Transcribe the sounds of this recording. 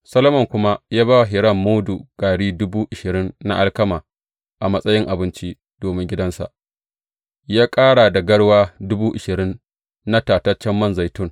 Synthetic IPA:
sɐ˦lo˦mɐ˨ŋkʷʊ˦ma˦jaː˦baː˦wɦɪ˨ɽɐ˦˨mːoː˦du˨ɡ̥aː˨ɽiː˦dʊ˦buː˦ʔɪ˨ʃɪ˨ɾɪ˦nːa̰˦ʔa˦lkɐ˦maː˨ | ʔa˨mɐ˦sʼɐ˦jɪ˦ŋʔa˨bɪ˦nt͡ʃi˦ | d̥oː˨mɪ˦ŋɡʲɪ˦dɐ˦nsa̰˨ʔ | jaː˦kʼaː˦ɽa˨da˨ɡɐ˦ɽwaː˦dʊ˦buː˦ʔɪ˨ʃɪ˨ɾɪ˦nː | a˦taː˨tɐ˦t͡ʃɛ˦mːɐ˦˨nza˨jtʊ˦ŋ

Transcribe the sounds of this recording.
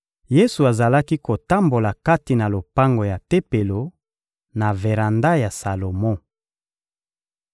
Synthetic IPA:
je˦su˨a˨za˨la˦ki˦ko˨ta˦mbo˨la˨ka˦ti˨na˨lo˨pa˦ŋɡo˨ja˨te˦pe˨lo˨ | na˨ve˨ʁa˨nda˦ja˨sa˨lo˨mɔ̃˦

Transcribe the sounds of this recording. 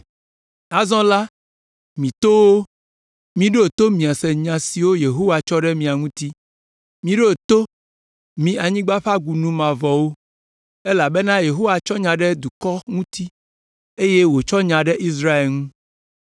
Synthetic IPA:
a˨zɔ̃˦la˦ | mĩ˨t̪o˦wo˦ | mĩ˨ɖo˦˨t̪o˦mĩ˨a˨sɛ˨ɲã˨si˨wo˦je˨ɦo˦wa˨t͡ʃɔ˦ɖɛ˦mĩ˨a˨ŋũ˦t̪i˦ | mĩ˨ɖo˦˨t̪o˦ | mĩ˨a˨ɲĩ˦ɡ͡ba˦ɸa˦ɡu˨nũ˦mã˨vɔ˨wo˦ | e˦la˨be˦nã˦je˨ɦo˦wa˨t͡ʃɔ˦ɲã˨ɖɛ˦d̪u˨kɔ˦ŋũ˦t̪i˦ | e˦je˦wo˨t͡ʃɔ˦ɲã˨ɖɛ˦ʔi˦s̬ɾa˦e˨ŋũ˦

